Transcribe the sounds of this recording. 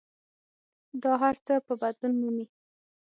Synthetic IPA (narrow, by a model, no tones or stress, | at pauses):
d̪ɑɦaɾt͡səpəbad̪lunmumi